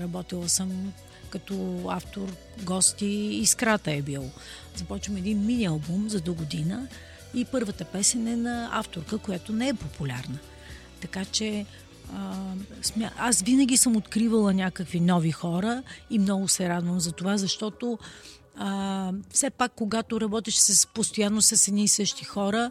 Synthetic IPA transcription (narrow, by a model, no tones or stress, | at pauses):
ɾɐbɔt̪ilˠəsəm | kɐt̪ɔaft̪oɾ | ɡɔst̪iːskɾat̪əɛbilˠo | zɐpɔt͡ʃvəmɛd̪inminʲiɐlˠbumzɐd̪oɡod̪inə | ipɤɾvət̪əpɛsɛnɛnɐa̰ft̪oɾkəkojat̪onɛɛpopʰulʲaɾnə | t̪ɐkat͡ʃɛ | əsmʲaasvinəɡ̟ʲisɤmot̪kɾivəlˠənʲakəkvinɔvixɔɾəimnɔɡʊsɛɾad̪vəmzɐt̪ovazɐʃt̪ɔt̪o | əfsɛpakːoɡat̪oɾɐbɔt̪ɛʃsɐspost̪ojanːosɛsɛd̪nisɤʃt̪ixɔɾə